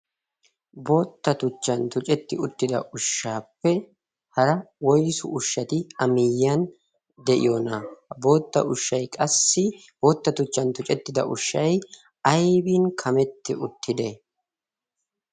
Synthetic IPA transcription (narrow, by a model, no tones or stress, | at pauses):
bo̞ːt̪ːɐt̪ʊt͡ʃːɐnt̪ʊt͡ʃʼɛt̪ːɪʊt̪ːɪd̪ɐ̰ʔʊʃːaːpːɛ | hɐɾɐwɔjsʊ̰ʔʊʃːɐt̪ɪɐmɪjːɐn | d̪ɛʔɪ̰jonɐbo̞ːt̪ːɐ̰ʔʊʃːɐjkʼɐsːɪ | bo̞ːt̪ːɐt̪ʊt͡ʃːɐnt̪ʊt͡ʃʼɛt̪ːɪd̪ɐ̰ʔʊʃːɐj | ɐjbiːnkʰɐmɛt̪ːɪʊt̪ʰːɪd̪e